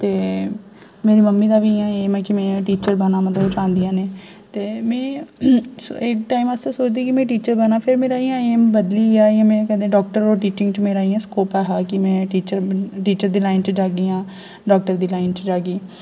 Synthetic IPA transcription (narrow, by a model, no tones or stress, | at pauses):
t̪eː | meːɾiːməmːiːd̪aːʋiːãeːmɛ̃ːkɪmɛ̃ːʈiːt͡ʃəɾbənaːmət̪ləbt͡ʃãːnd̪ɪijãːneː | t̪eːmɛ̃ː | sɪkʈaːimaːst̪ẽːsoːt͡ʃd̪iːkɪmɛ̃ːʈiːt͡ʃəɾbənaːpʰɪɾmeːɾaːiːãːeːmbəd̪liːaːiãːmɛ̃ːkɛd̪ẽːɖɔːk̚ʈəɾoːʈiːt͡ʃɪ̃ŋɡt͡ʃmẽːɾaːiːãːskoːpɛːɦaːkɪmɛ̃ːʈiːt͡ʃəɾʈiːt͡ʃəɾd̪iːlaːɪnt͡ʃd͡ʒaːɡiːãː | ɖɔːk̚ʈəɾd̪iːlaːɪnt͡ʃd͡ʒaːɡiː